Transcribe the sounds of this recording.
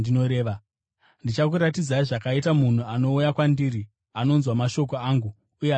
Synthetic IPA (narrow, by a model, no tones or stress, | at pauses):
dino̞ɾeːʋa | ndit͡ʃak̬uɾatid͡zaiʐakaitamun̤uano̞ujakwandiri | ano̞nzwamaʃo̞ko̞aːŋɡu | uje